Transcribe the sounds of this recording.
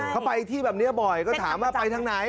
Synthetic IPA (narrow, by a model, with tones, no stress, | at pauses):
kʰa˦˥wpa˧jt̪ʰiː˥˩bɛː˨˩p̚ni˦˥ɐbɔ˨˩jkɔː˥˩t̪ʰaː˨˩˦mwaː˥˩pa˧jt̪ʰa˧˥ŋna˨˦j